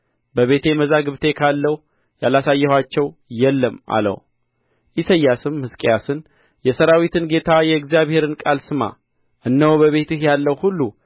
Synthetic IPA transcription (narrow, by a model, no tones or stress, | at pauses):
bəβe̞t̪ʰe̞məzaɡɨβt̪ʰe̞kʰalːəw | jalasajːɛhwat͡ʃːɛwjɛlːəmʔa̰lə̰w | ʔisəjːasɨmːɨskʼejasɨn | jɛsəɾawit̪ʰɨnɡe̞t̪ʰajɛɨɡzijaβhe̞ɾɨnkʼalsɨma̰ | ʔɨnːəwbəβe̞t̪ɨhjalːəwhulːu